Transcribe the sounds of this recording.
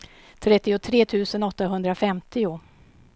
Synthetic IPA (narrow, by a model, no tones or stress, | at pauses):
t̪ʰɾɛt̪ːɪʊt̪ʰɾeːt̪ʰʉ̟ːsənɔt̪ːaɦɵnd̪ɾafɛmt̪ɪʊ